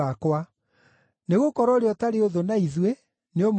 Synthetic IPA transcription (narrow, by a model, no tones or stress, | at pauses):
akwa | neɣokɔɾɔɾeɔtaɾeoðonaiðwe | neom